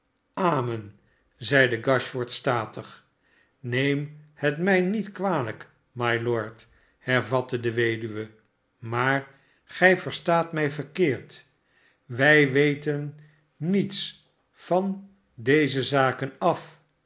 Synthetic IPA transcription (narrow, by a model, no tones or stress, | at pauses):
aːmən | zɛjdəɡɑʃfɔɹtstaːtəχ | nejmhətmɛjnitkʋaːlək | majlɔɹt | hɛɹvɑtədəʋejdyʋə | maːɹ | χɛjvəɹstaːtmɛjvəɹkɪːɹt | ʋɛjʋejtənː | its | fɑn | dejzəzaːkənɑf